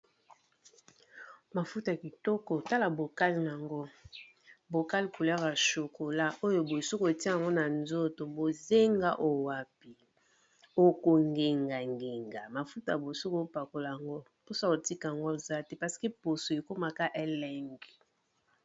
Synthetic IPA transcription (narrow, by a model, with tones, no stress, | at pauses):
ma˨fu˦ta˨a˨ki˨tɔ˦ko˨ta˦la˨bo˨ka˦li˨n˨a˨ŋɡo˦ | bo˨ka˦li˨ku˨la˦ka˨ʃo˨ko˨la˦ʔo˦jo˨bo˨so˦ko˨e˨ti˦a˦˨a˨ŋɡo˦na˨nzo˦to˨bo˨ze˦ŋɡa˦ʔo˨wa˨pi˨ | o˦ko˨ŋɡe˨ŋɡa˨ŋɡe˨ŋɡa˨ma˨fu˦ta˨a˨bo˨so˦ko˦pa˨ko˨la˨a˨ŋɡo˦ | po˦sa˦ko˨ti˦ka˨a˨ŋɡo˦o˨za˦te˦pa˨si̥˨ke˦po˨so˨e˨ko˦ma˨ka˦ʔe˦lɛ˦ŋɡi˨